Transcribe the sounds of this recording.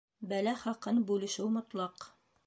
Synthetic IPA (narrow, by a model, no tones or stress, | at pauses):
bælæχɑqɤnbʉlɘ̆ʃɘwmŏt̪lˠɑq